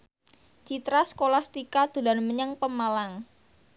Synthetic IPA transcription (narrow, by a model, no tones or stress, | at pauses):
t͡ʃit̪ɾasə̥kolast̪ikad̪̥ṳlanməɲəŋpəmalaŋ